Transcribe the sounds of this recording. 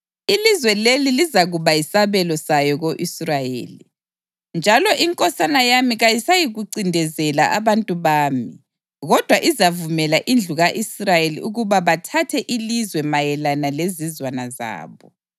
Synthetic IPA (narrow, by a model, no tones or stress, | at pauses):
ilizwɛlelilizaɣuβaisaβɛlɔsajɔɣoʔisrajḛːli | nd͡ʒʱalɔʔiŋkʼɔsanajamiɣajisajiɣuǀindʱɛzɛlaʔaβantʼuβaːmi | ɣɔd̥ʱwaʔizavumɛlaʔind͡ɮʱuɣaʔisrajelḭuɣuβaβatʰatʰɛʔilizwɛmajɛlanalezizwanaza̰ːβɔ